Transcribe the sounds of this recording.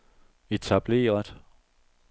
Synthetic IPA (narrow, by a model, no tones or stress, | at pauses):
e̝t͡sʰæb̥le̝̰ːɐð̥ˠ